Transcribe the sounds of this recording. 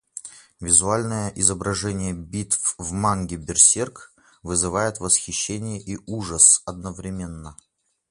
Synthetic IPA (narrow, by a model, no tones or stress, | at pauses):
vʲɪzʊalʲnəjəʔɪzəbɾɐʐɛnʲɪjəbʲit̪fvmanɡʲɪbʲɪrsʲerk | vɨzɨvajɪt̪vəsxʲɪɕːenʲɪjəʔiʔuʐəsɐd̪̚nəvɾʲɪmʲe̞nːə